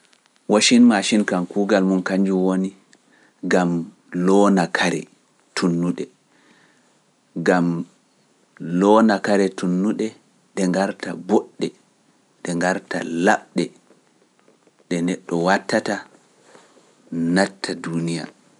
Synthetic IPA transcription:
waʃinmaʃinkankuɡalmunkaɲd͡ʒuwoni | ɡam | lɔnakʰaɾɛ̰ | tʰunːuɗɛ | ɡam | lɔnakaɾɛtunːuɗɛ | ɗɛŋɡaɾtabɔɗːɛ | ɗɛŋɡaɾta̰laɓɗɛ | ɗɛnɛɗːɔwatːata | natːadunija̰

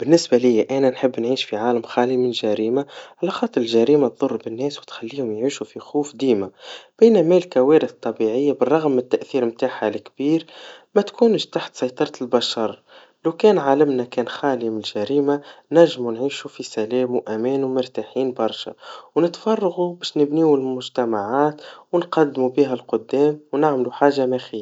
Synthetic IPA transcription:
b̥ɪnːɪsbalɪjːaʔænænħəbːnʕiːʃfiʕaːləmxaːlimɪnlʒæɾiːmaʕalaxɑːt̪ˤːɨɾˤəlʒæɾiːmat̪ðˤʊrːbɪnːɛːswt̪xælːiːhʊmjʕiːʃufixuːfd̪iːmab̥eːnæmælkæwɛːɾɪθt̪ˤːɑbiʕɪjːabərˤːɑɣmːɪt̪ːaʔθiːɾmt̪aːħalɪkbiːɾmæt̪kʰuːnʃt̪aħt̪sˤɑjt̪ˤɑɾˤɑt̪lbaʃɑɾˤ | lawkɛːnʕalɪmnakɛːnxaːlimɪlʒæɾiːmanæʒːmunʕiːʃufisælɛːmwʔæmɛːnumʊɾt̪aħiːnbɑɾˤʃa̰wnɪt̪fɑrˤːɑɣubɛːʃnɪbniːwɪlmʊʒt̪æmaʕaːt̪wənqɑd̪ːmubiːɦælqʊd̪ːɛːmwnaʕmluħaːʒːamæxiːa

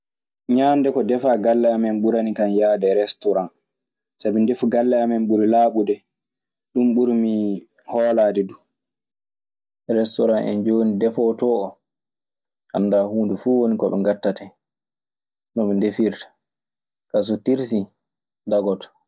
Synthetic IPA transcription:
ɲaːndɛkɔdɛfaːɡalːɛamɛnɓuɾanikanjaːdɛɾɛstɔɾan | sabɛndefɡalːɛamɛnɓuɾilaːɓudɛ | ɗumɓuɾmi | hɔːlaːdɛdu | ɾɛstɔɾanʔɛ̰nd͡ʒoːnidɛfɔːtɔːɔ | ha̰ndaːhuːndufuwonikɔɓɛ̰ŋɡatːatɛ | nɔɓɛndefiɾtḁ | kas̬ɔtiɾsi | daɡɔtɔ̥

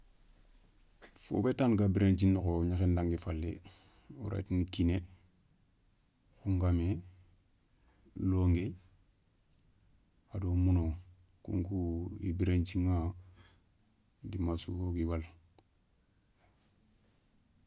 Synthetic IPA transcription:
fo̰betanɡabiɾent͡ʃinːukoɲaxendaŋɡifalːḛ | uɾa̰tinkine | xuŋɡame | loːŋɡe | adomuno | kṵŋkuḭbiɾent͡ʃiŋa | dimasṵɡoɡiwal

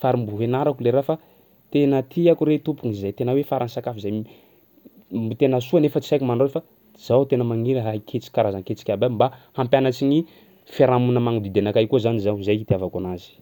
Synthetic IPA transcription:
faɾimbuɦenaɾakuleɾafa | t̪enət̪ʰiakuɾet̪upuŋizajt̪enəwefaɾʔansakafizaj | mt̪enəsuanefət͡si̥sajkumanɖ͡ʐoefa | z̥awt̪enəmaŋiɾɦakʰet͡si̥kaɾazanket͡si̥kʲabambahampjanat͡siɲi | faɾamunəmaŋud̪id̪enakajkuzanizazajit̪iavakanazi̥

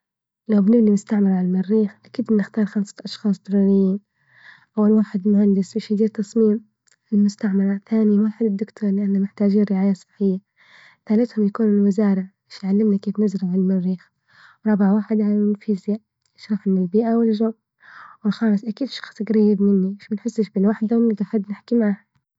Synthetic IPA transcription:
lawbnɪbnimʊst̪aʕmɪɾʕaalmɪɾːiːxʔakiːd̪bɪnːɪxt̪ɑːɾˤxamsḁʔɑʃxɑːsˤd̪ʊɾuɾɪjːiːn | ʔawːalwaːħɪd̪mʊhand̪ɪsbeʃjd̪iːɾt̪ɑsˤmiːm | ɪlmʊst̪aʕmɑɾˤaθaːnɪjwaːħɪd̪ɪd̪ːʊkt̪ʰoːɾˤlɪʔanːamɪħt̪aːd͡ʒiːnɾɪʕaːjasˤɨ̥ħːɪjːa | θaːlɪt̪hʊmjakuːnɪlwɪzaːɾˤɑmɪʃjʕalːɪmnakeːfnɪzɾaʕɪlmɪrːiːx | wɾˤɑbaʕwaːħɪd̪ʕaɪlfiːzja | ɪʃɾˤɑfɪmɪlbiːʔawɪlʒoːb | wɪlxɑːlɨsˤʔakiːd̪ʃɑ̥xsˤɡɾajːɪb̪mɪnːimɪʃbɪnħɪsːɪʃbɪlwaːħɪd̪amɪd̪axad̪ːnɪħkimaʕaha

